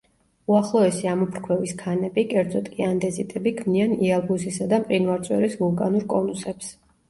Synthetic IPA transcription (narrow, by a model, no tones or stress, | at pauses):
uaχlˠɔɛsiamɔpʰɾkʰwɛviskʰanɛbikʼɛɾd̪zʼɔt̪ʼkʼiand̪ɛzit̪ʼɛbikʰmnianialˠbusisad̪amqʼinvaɾt̪sʼwɛ̰ɾisvulˠkʼanuɾkʼɔnusɛps